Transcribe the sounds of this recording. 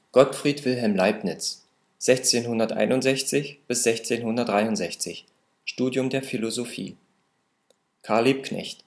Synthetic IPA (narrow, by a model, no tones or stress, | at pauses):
ɡ̥ɔtfʁ̥iːtv̥ɪlɦɛlmlaɪpnɪt͡s | z̥ɛçt͡seːnhʊndɐtʔa̰ɪnʊntzɛçt͡sɪçb̥ɪsz̥ɛçt͡seːnhʊndɐtdʁaɪʊntz̥ɛçt͡sɪç | ʃtuːdjʊmdeːɐfilozofḭː | kʰaɐliːp̚knɛ̰çt